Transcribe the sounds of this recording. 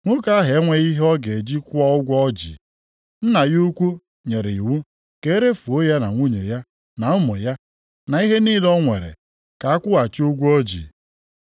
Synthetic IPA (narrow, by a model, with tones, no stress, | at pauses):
ŋʷʊ˦ka˦ɦe˨˦ŋʷe˦ɣi˦ɦɔ˦ɡe˨d͡ʒi˦kʷʊ˦a˦ʊ˦ɡʷɔ˦d͡ʒḭ˨ | n̩˦na˨ju˦kʷu˦ | ɲe˨ɾe˨i˨wu˦ | ke˨˦ɾe˦fu˨o˦ja˦na˨ŋʷu˦ɲḛ˨ja˦ | na˨ʊ˦mo˨ja˦ | na˨i˦ɦe˦ni˦dɔ˦ŋʷḛ˨ɾḛ˨ | ka˨a˦kʷʊ˦a˨t͡ʃi˦u˦ɡʷɔ˦d͡ʒḭ˨